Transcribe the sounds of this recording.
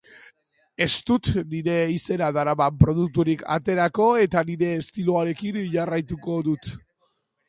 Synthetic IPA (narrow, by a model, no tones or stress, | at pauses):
e̞st̪ut̪niɾe̞ise̞naðaɾamampɾo̞ð̞uk̚t̪uɾikʰa̰t̪e̞ɾako̞e̞t̪aniɾe̞ːst̪iloaɾe̞kinʝarajt̪uko̞ðut̪